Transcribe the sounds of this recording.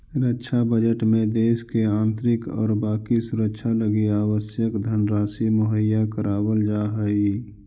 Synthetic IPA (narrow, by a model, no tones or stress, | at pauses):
ɾəkːʃʰabəd͡ʒəʈmẽd̪eːskeãːnt̪ɾɪkɔ̰ːɾbaːkisʊɾəkʃʰaləɡiaːwəsjəkd̪ʱənɾaːsiməɦəjːakəɾaːwəld͡ʒaɦəi